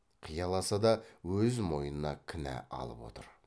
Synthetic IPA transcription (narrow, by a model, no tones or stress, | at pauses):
qʰijɑlˠɑsɑd̪ɑwɵzmo̞jənənɑkʲʰɪnæ̰ɑ̰lˠə̰pwo̞̰t̪əɾ